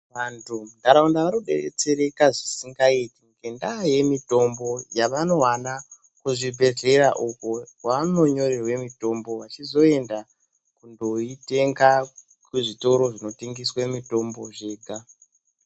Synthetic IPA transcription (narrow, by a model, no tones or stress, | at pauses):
ʋantʰundaɾaundaʋanoɗḛrḛt͡se̞ɾe̞kaʐisiŋɡaitiŋɡe̞ndaje̞mito̞mbo̞jaʋano̞ɦwana | kuʐibʱe̞ɮe̞ɾaʔukokwaano̞ɲo̞rerwe̞mito̞mbo̞ʋat͡ʃizo̞e̞nda | kundo̞ite̞ŋɡa | kwuʐito̞ɾo̞ʐino̞teŋɡiswamito̞mboʐe̞ːɡʱa